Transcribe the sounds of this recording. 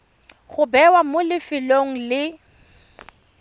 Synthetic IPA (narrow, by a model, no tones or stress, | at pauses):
ɣʊbɛwamʊlɪfɪloŋ̩lɪ